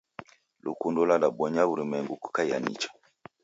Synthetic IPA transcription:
lṵkundɔlalaɓɔɲauɾimɛŋɡuku̥kaa̰nḭt͡ʃḁ

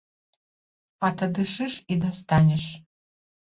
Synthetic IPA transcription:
at̪ʰadɨʂɨʂid̪ast̪ʰanʲɛʂ

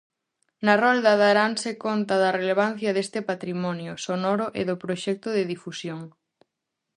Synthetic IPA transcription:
nɐrɔld̪aðaɾansekont̪ɐðɐreleβanθjɐðest̪ɪpat̪ɾimɔnjʊsonɔɾʊʔeðʊpɾoʃɛk̚t̪ʊðeðifusjoŋ

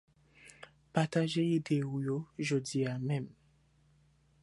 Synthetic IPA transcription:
pat̪aʒeid̪eojoʒodiamɛ̃m

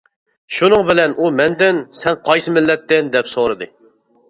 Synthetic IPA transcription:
ʃunɨŋbɪlɛnʔumɛnd̪ɪnsɛŋqʰɑjsɨmɪlːɛt̪ːɪnd̪ɛpsoɾɨd̪ɨ

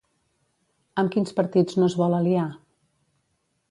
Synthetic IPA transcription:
əmkinspəɾt̪id͡znozβɔləlia

